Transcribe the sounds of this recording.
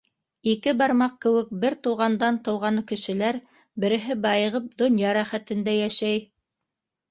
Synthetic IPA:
ikɘbɑɾmɑq̚kɘ̆wɘk̚bɘɾt̪ŭwʁɑnd̪ɑnt̪ɤ̆wʁɑnɤkɘ̆ʃɘ̆læɾ | bɘ̆ɾɘ̆ɦɘbɑjɤ̆ʁɤp̚d̪ŏnjɑɾæχæt̪ɘ̆nd̪æjæʃæj

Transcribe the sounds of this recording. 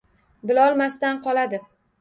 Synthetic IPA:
bɪlɒlˠmast̪anqʰɒlad̪ɪ

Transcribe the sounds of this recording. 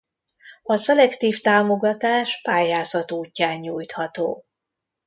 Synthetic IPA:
ɒsɛlɛkt̪iːft̪aːmo̞ɡɒt̪aːʃpaːjaːzɒt̪uːcːaːɲɲuːjt̪hɒt̪oː

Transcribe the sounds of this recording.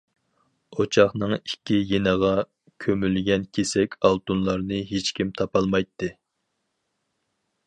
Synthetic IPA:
ot͡ʃʰɑχnɨŋikʲːijenəʁɑ | kʲʰømylɡʲɛnkʲʰesɛkʲɑlˠt̪unlˠɑɾnɨɦet͡ʃkʲimt̪ʰɑpɑlˠmɑjt̪ʰːɨ

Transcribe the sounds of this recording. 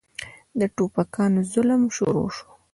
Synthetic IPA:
d̪əʈopakɑnozʊləmʃo̰ɾo̰ʂo̥

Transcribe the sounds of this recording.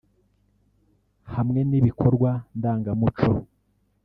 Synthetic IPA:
hamŋe̞niβikʰo̞ɾɡwandaːŋɡamut͡ʃo

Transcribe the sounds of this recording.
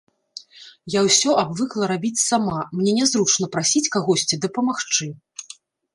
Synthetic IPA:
jawsʲɔʔabvɨklˠɐɾabʲit͡sʲsamamnʲɛnʲɛzɾut͡ʂnɐpɾasʲit͡sʲkaɣɔsʲt͡sʲid̪ɐpɐmaxt͡ʂɨ

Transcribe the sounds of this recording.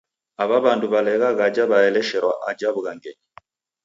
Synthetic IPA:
aβaβanduβalɛɣaɣad͡ʒaβaɛlɛʃɛɾwa̰ʔad͡ʒaβuɣaŋɡɛɲi

